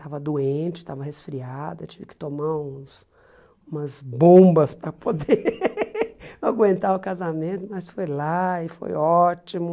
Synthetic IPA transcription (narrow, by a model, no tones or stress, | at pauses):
t̪avɐd̪uẽt͡ʃɪ̥t̪avɐhesfɾiad̪ɐt͡ʃivɪkɪ̥t̪omaũs | ũmɐzbõbɐspɾɐpod̪e | aɡwẽnt̪aʊkazamẽnt̪ʊmɐsfojlaɪfo̰jɔt͡ʃimʊ